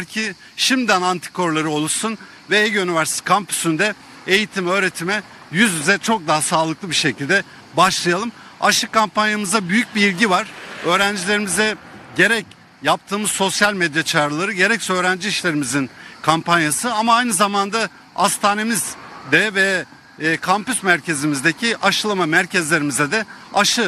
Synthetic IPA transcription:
æɾcʰi | ʃimd̪ænant̪ʰi̥kʰo̞ɾlˠaɾɯo̞lˠuɾsun | vɛeɟunivæɾsit̪ʰkʰampʰy̥synd̪ɛ | ejit̪ʰimø̞ːɾe̞t̪ʰimɛ | jyzjyzɛt͡ʃʰo̞k̚d̪aɦasaːlˠɯklˠɯbiʃe̞cʰilʲd̪ɛ | baʃlˠɯjalˠɯm | a̰ʃɯkːampanjamɯzabyjyc̚biilʲɟivaɾ̥ø̞ːɾænd͡ʒilʲe̞ɾimizɛɟe̞ɾɛc | jap̚t̪ʰɯːmɯzso̞sjalʲmed̪jat͡ʃʰaːɾɯlˠaɾɯɟe̞ɾɛcsø̞ːɾænd͡ʒiiʃlʲe̞ɾimizinkʰampanjasɯamaajnɯzamand̪a | ast̪ʰaːne̞mizd̪ɛvɛ | kʰampysmæɾcʰe̞zimizd̪ecʰiʔaʃɯlˠamamæɾcʰɛzlʲe̞ɾimizɛd̪ɛaʃɯ

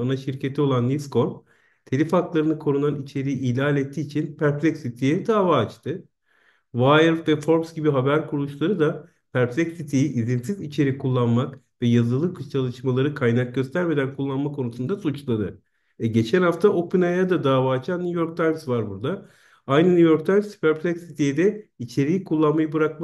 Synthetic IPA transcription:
anaʃiɾcʰe̞t̪ʰio̞lˠanlʲisko̞n | t̪ʰelʲifaklˠaɾɯnɯkʰo̞ɾunanit͡ʃʰe̞ɾijiʔiːlʲaːlʲet̪ʰːiːt͡ʃʰinpʰæɾplʲɛcsit̪ʰijɛd̪aːvaːt͡ʃt̪ʰɯ | vajɾvɛfo̞ɾpsɟibiɦabæɾkʰuɾulˠuʃlˠaɾɯd̪a | pʰæɾplʲɛcsit̪ʰijiʔizinsizit͡ʃʰe̞ɾikʰulˠːanmak | vɛjazɯlˠɯkt͡ʃʰalˠɯʃmalˠaɾɯkʰajnak̚ɟøst̪ʰæɾme̞d̪ænkʰulˠːanmakʰo̞nusund̪asut͡ʃlˠad̪ɯ | ɛɟe̞t͡ʃʰænhaft̪ʰaʔo̞pinajad̪ad̪aːvaːt͡ʃʰanːʲujo̞ɾk̚t̪ʰajmsvaɾbuɾd̪a | ajnɯnujo̞ɾkt̪ʰajmspæɾplʲɛkʲsit̪ʰijɛd̪ɛit͡ʃʰe̞ɾiːkʰulˠːanmajɯbɯɾak̚ma

